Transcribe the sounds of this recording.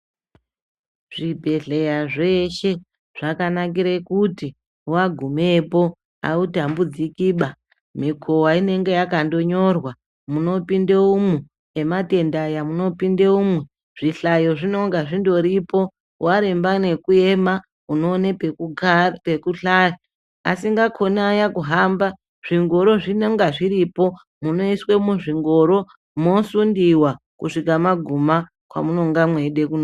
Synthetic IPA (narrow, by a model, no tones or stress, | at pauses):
ʐ̥ibʱe̞ɮe̞jaʐe̞ʃe̞ | ʐ̥akanak̬iɾekuti | waɡʱumepo̞ | a̰utambud͡zikiːɓa | mikʰowaine̞ŋɡe̞jakando̞ɲo̞rwa | muno̞pindeumweː | mate̞ndajamuno̞pindeumwe | ʐ̥iɬajo̞ʐino̞ŋɡaʐindo̞ɾipo̞ | waɾembane̞kue̞ma | uno̞nep | pekuɬajo | a̰siŋɡakʰo̞najakuɦamba | ʐ̥iŋɡo̞ɾo̞ʐinoŋɡaʐiɾipo̞ | muno̞iswe̞muʐiŋɡo̞ɾo̞ | mosundiwa | kuʂikamaɡʱuma | kwa̰muno̞ŋɡamwe̞ɗe̞kuno